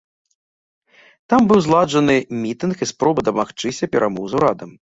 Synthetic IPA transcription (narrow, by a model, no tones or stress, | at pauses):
t̪ambɨwzlˠad͡ʐɐnɨmʲit̪ɨnxispɾɔbɨd̪ɐmaxt͡ʂɨsʲɐpʲɛɾʔamɔwzuɾad̪ɐm